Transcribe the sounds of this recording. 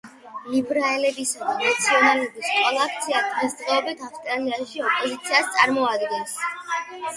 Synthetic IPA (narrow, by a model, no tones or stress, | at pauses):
ibɾaɛlɛbisad̪anat̪sʰiɔnalɛbist̪ʼwɛlˠak̚ʰt̪sʰiad̪̥ʁɛsd̪ʁɛɔbit̪ʰafst̪ʼɾaliaʃiɔpʼɔzit̪sʰiast̪sʼaɾmɔad̪ɡɛns